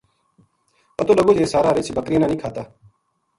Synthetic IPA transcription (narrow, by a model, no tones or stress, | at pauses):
pət̪oːləɡoːd͡ʒeːsaːɾaːɾɪt͡ʃʰbəkɾiːnãːnĩːkʰaːt̪aː